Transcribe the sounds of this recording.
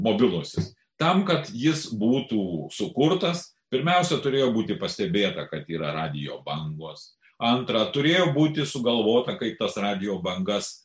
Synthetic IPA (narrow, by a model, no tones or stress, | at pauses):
moːbʲɪlˠʊsʲɪs | t̪ɐmkɐt̪jɪsbuːt̪uːsʊkʊrt̪ɐs | pʲɪɾʲmʲɛʊsʲɛt̪ʊɾʲeːjoːbuːt̪ʲɪpɐsʲt̪ʲɛbʲeːt̪ɐkɐt̪iːɾɐrɑːd̪ʲɪjo̰ːbɐŋɡoːs | ɐnt̪ɾɐt̪ʊɾʲeːjoːbuːt̪ʲɪsʊɡɐlˠʋoːt̪ɐkɐɪp̚t̪ɐsrɑːd̪ʲɪjoːbɐŋɡɐs